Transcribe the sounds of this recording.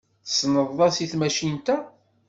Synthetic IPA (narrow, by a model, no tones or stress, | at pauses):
θsnəðˤːɑsiθmæʃint̪æ